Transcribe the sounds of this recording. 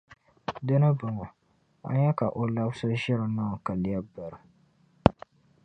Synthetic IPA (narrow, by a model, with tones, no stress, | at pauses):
dɨ˦nɨ˦bɨ˨ŋɔ˨ | a̰˦ɲɛ˦ka˨ʔo˨la˦bsʊ˦ʒɪ˦ɾɨ˨na˦˨ka˨li˨ja˦ba˨ɾɨ˨